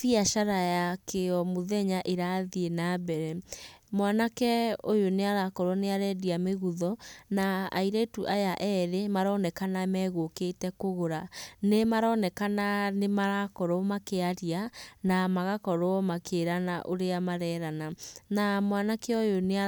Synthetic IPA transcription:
fiaʃaɾajakeɔmoðɛɲaʔeɾaðienabɛɾɛmwanakɛojoneaɾakɔɾwɔneaɾɛdiameɣuðɔnaa̰iɾɛtuʔajaʔɛɾemaɾɔnɛkanamɛɣoketɛkoɣoɾanemaɾɔnɛkananemaɾakɔɾomakeaɾianamaɣakɔɾoɔmakeɾanaʔoɾeamaɾɛːɾananamwanakɛojonea

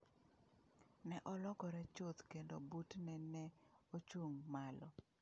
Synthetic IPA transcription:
nɛʔɔlɔɡɔɾɛt͡ʃot̪kendobutnɛnɛot͡ʃuŋmalɔ

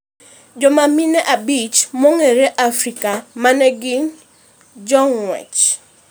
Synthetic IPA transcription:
d͡ʒɔmaminɛʔabit͡ʃmɔŋeɾeʔafrikamanɛɡiɲ | d͡ʒɔŋwɛ̰t͡ʃ

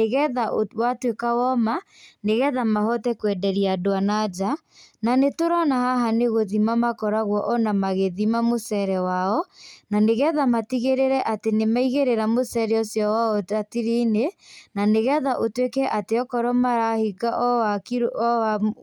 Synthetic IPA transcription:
eɣɛðaowatwekawɔma | neɣɛðamahɔtɛkwɛdɛɾiadoanad͡ʒa | nanetoɾanahaɦaneɣoðimamakɔɾaɣwɔʔɔnamaɣeðimamosɛɾɛwaɔnaneɣɛðamatiɣeɾeɾɛʔatenemaiɣeɾeɾamosɛɾɛɔsjɔwaɔatiɾinenaneɣɛðaʔotwekɛʔateɔkɔɾɔmaɾahiɡaʔɔakia

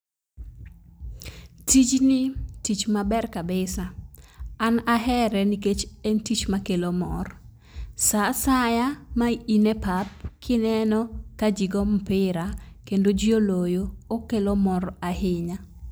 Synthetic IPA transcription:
tit͡ʃnɪtit͡ʃmabɛrkabɪsa | anaɦɛɾɛniket͡ʃɛntit͡ʃmakelomɔ̰r | sasajamainepap̚kʰɪnɛnɔkad͡ʒiɡɔm̩pɪɾakendod͡ʒiolojoːkelomɔrahɪɲa

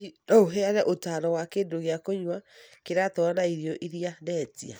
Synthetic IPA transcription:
ooɦeaɾɛʔotaɾɔwakeːndoɣeakoɲwakeɾatɔanaiɾiɔʔiɾianɛːtia̰

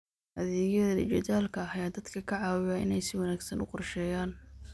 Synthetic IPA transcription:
ʔɐðɛːɣjɐðɐlɪ̰t͡ʃɐðaːlkʰɐɐjaːd̪ɐd̪kʰɐkʰɐʕɑːwɪjɐʔɪ̰nɛjsɪwɑnaːɡsɐnʊ̰qɔrʃɛːjaːn

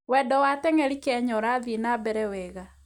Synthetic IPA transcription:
wɛdɔwatɛŋɛɾikeɛɲɔɾaðinabɛɾɛweːɣa

